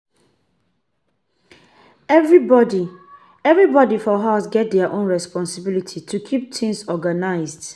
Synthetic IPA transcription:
ɛvɹibɔdi | ɛvɹibɔdifɔɦaʊsɡɛt̚dɛaʔõnɹɛspɔ̃nsɪbilitʰitʰukʰip̚tʰɪ̃ŋsɔɡanaɪzd̥

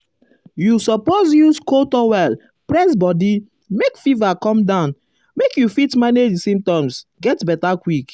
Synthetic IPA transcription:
jusɔpozjuskotɔwɛl | pɹɛsbɔdi | mekfivakɔ̃mdãʊ̃n | mekjufitmanesĩmtɔ̃msɡɛtbɛtakwik

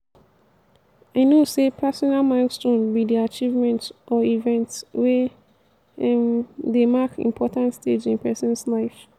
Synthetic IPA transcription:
anosepʰɛsɔnalmaɪlstõnbidiat͡ʃivmɛ̃ntʔɔivɛ̃ntswɛ | demakḭ̃mpʰɔtãntsted͡ʒĩnpʰɛsɔ̃nslaɪf

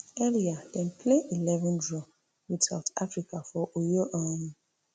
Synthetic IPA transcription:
ɛɾiadɛ̃npʰleʔilɛvũndɹɔ | widsaʊtafɾikafɔʔojoʔãnũ

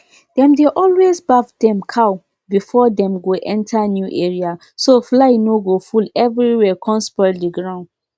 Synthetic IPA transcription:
dɛ̃mdeʔɔlwezbavdɛ̃mkʰaʊ | bifɔdɛ̃mɡoʔɛ̃ntʰanjuʔeɹia | soflaɪnoɡofulɛvɹiwɛkʰɔ̃nspɔɪdiɡɹãʊ̃nd

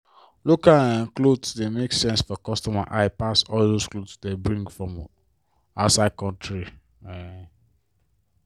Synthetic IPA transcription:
lokalãnklodsdemeksɛ̃nsfɔkɔstɔmaʔaɪpatsɔldosklodsdebɹĩŋɡfɹɔ̃m | asad̚kɔ̃ntʰɹi

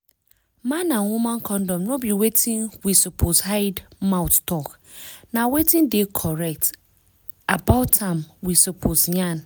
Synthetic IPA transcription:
mãnːãnwumãnkʰɔ̃ndɔ̃mnõbiwetʰĩnwisopʰoshaɪdmãwttʰɔk | nãwetʰɪ̃ndekʰɔɹɛk̚t | abaʊtʰãmwisopʰosɲãn

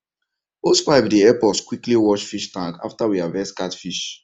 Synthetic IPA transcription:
oskɹaɪbdiɛpɔtskwikliwɔt͡ʃfiʃtãŋka̰ftawiavɛskatfiʃ

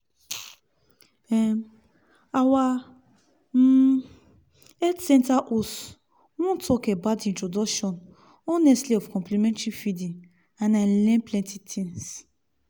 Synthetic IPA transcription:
ɛ | awa | ɛdsɛ̃ntaʔos | wɔ̃ntʰɔkɛbadĩntɹodɔkʃɔ̃n | ɔnɛstliɔfkɔ̃mplimɛ̃ntɹifidĩŋ | ãnãlɛ̃nplɛ̃ntitʰĩns

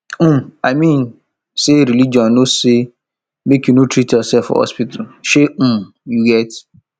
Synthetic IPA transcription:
mamĩn | seɾilid͡ʒɔ̃nnose | mekjunotʰɾitjɔsɛfɔ̰hɔ̰spitalʃẽm | juɡɛt

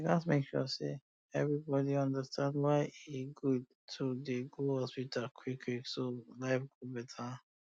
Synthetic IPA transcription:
lasmekʃɔ̰se | ɛvɹibɔdiʌ̃ndəstʰãndwaɪiɡud̚ | tʰodeɡoɔswitakʰwikʰwiksolaɪfɡ̥obɛtʰə

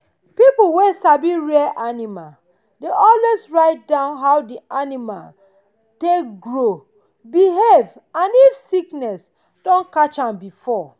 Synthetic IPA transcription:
pipuwesabiɹɛʔanima | deʔɔlwesɹaɪt̚dãʊ̃nɦawdianima̰l | tek̚ɡɹo | biɦevãnifsiknɛs | dɔ̃nkat͡ʃãmbifɔ

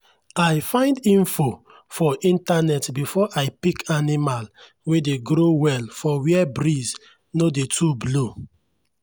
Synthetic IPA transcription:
ajfãɪ̃ndĩnfo | fɔʔĩntanɛtbifɔʔajpikʰanimal | wedeɡɾowɛlfɔwiɛbɾiz | nodetʰublo

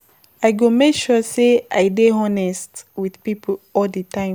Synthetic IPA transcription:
aɪɡomekʃuseaɪdeɦɔnɛstwiðpipʰoɔldətʰãɪ̃

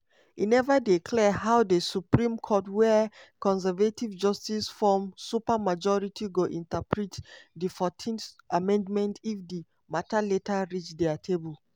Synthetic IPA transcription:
inɛvadikʰlɛɦaʊdəsupɹĩmkʰɔtwɛkɔ̃ns̬ɛvativd͡ʒɔstisfɔmsupamad͡ʒɔɹitʰiɡoʔĩntapʰɹitdifɔtʰĩnθamɛ̃ndmɛ̃ntifdi | mataletʰaɹit͡ʃdɛatʰebul

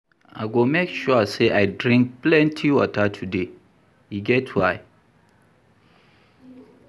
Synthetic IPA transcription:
a̰ɪɡomekʃuaseʔaɪdɹĩŋk̚plɛ̃ntʰiwɔ̰tʰatʰude | hiɡɛtʰwaɪ

